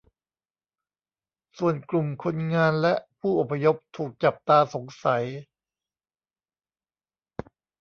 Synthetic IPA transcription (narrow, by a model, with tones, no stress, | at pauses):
su˨˩ənklu˨˩mkʰo˧nŋaː˧nlɛ˦˥ʔpʰuː˥˩ʔo˨˩pʰa˧jo˦˥p̚t̪ʰuː˨˩k̚t͡ɕa˨˩p̚t̪aː˧so˩˦ŋsa˩˦j